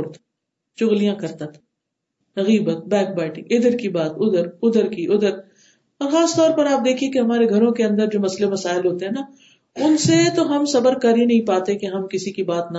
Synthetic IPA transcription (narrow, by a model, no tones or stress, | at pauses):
ɾt̪ | t͡ʃʊɣlijãkɐɾt̪at̪ʰ | ɐɣiːbət̪̚bɛ̃ːk̚bɛːʈĩʔɪd̪əɾkibaːt̪ʊd̪əɾʊd̪əɾkiʔʊd̪əɾ | ɔːɾxaːst̪ɔːɾpɐɾaːp̚d̪eːkʰiekeɦɐmaːɾeɡʱɐɾõkeɐ̃nd̪əɾd͡ʒoːmɐslemɐsaːɪlɦoːt̪eɦɛːna | ʊnset̪oɦɐmsɐbəɾkɐɾinɐɦĩpaːt̪ekeɦɐmkɪsikibaːt̪na